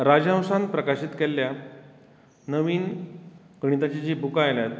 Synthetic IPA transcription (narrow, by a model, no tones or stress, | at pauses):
ɾad͡ʑə̃wsãnpɾəkaɕit̪kelːja | nəʋiːn | ɡəɽ̃it̪at͡ɕid͡ʑiːbʱukajljat̪̚